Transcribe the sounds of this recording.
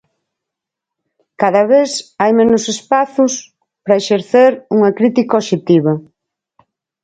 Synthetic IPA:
kaðɐβesajmẽnʊsespaθʊs | pɾɐeʃeɾθeɾuŋɐkɾit̪ikɐoʃet̪iβɐ

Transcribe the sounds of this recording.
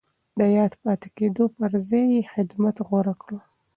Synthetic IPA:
d̪əjɑd̪pɑt̪ɪ̥ked̪opəɾzɑjexɪd̪mat̪ɣoɾakɽo

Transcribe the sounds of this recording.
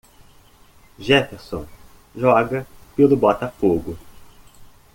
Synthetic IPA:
ʒɛfeɾsõ | ʒɔɡɐpelʊbɔt̪ɐfoɡʊ

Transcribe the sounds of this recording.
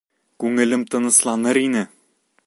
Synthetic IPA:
kʉŋɘ̆lɘmt̪ɤ̆nɤ̆slˠɑnɤɾinɘ

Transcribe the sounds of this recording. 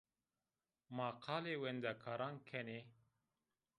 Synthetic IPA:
maːqʰaːlewend̪akʰaɾaŋkʰene

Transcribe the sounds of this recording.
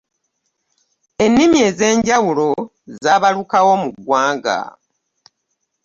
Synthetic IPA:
e̞nːimje̞ːze̞ːɲɟawulo̞ | zaːβalukawo̞muɡwaːŋɡa̰

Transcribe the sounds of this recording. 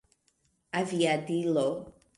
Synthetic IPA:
aviadilo

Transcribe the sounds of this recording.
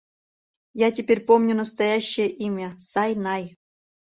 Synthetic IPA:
jatʲɪpʲeɾʲpomnʲunəst̪ɐjaɕːɪjəʔimʲəsɑjnɑj

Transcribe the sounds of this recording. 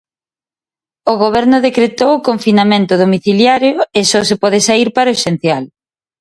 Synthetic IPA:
oɣ̞oβ̞ɛɾnʊðekɾet̪owʊkoɱfinamẽnt̪ʊðomiθiljaɾjoesɔsepɔðɪsaiɾpaɾoeʃen̟θjal

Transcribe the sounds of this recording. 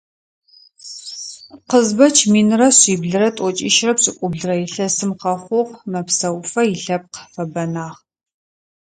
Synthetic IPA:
qəzbɐt͡ʃʰmiːnɨrɐɕiːbɮɨɾɐtʼɔt͡ʃʼɪʃrɐpɕʼɪkʷʼʊbɮɨrɐjɪɬɐsɨmqɐχʷʊʁmɐpsɐwfɐjɪɬɐp̚qfɐbɐnaːʁ

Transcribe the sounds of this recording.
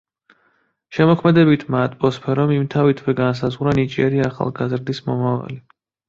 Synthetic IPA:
ʃɛmɔkʰmɛd̪ɛbit̪ʰmat̪ʼpʼɔspʰɛɾɔmimt̪ʰavit̪ʰwɛɡans̬azʁɾanit͡ʃʼiɛɾiaχa̰lˠɡazɾd̪ismɔmava̰li

